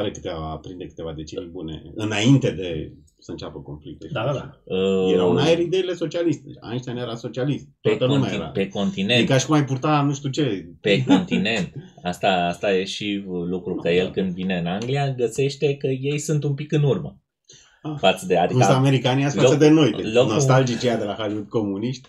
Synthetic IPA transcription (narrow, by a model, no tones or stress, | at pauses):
aɾekɨ̥t̪eaapɾind̪ekɨ̥t̪e̞vad̪et͡ʃeibune̞̰ɨnaint̪e̞d̪e̞ | səɨnt͡ʃʲapəko̞nflik̚t̪ed̪aaaəeɾanajeɾid̪e̞ile̞so̞t͡ʃialist̪ea̰eʃt̪ʲjanjeɾasot͡ʃialist̪p̪et̪ənumajeiɾape̞ko̞nt̪inenkaʃi̥kumajpurt̪anuʃt̪ut͡ʃepe̞ko̞nt̪ine̞nt̪ | ast̪aast̪ajeʃilukɾukəjelkɨnd̪vine̞ɨnaŋɡlijaɡəse̞ʃt̪e̞kəje̞jsunt̪umpikɨnurmə | afat̪səd̪ea̰d̪iksaameɾikaniasaosəd̪eno̞jpeloknost̪ald͡ʒit͡ʃejad̪elaxaliut̪̚ko̞muniʃt̪